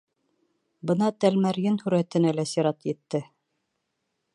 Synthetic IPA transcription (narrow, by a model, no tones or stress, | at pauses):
bɤ̆nɑt̪ælmæɾjɘnhʉɾæt̪ɘ̆nælæsiɾɑt̪jɘ̆t̪ːɘ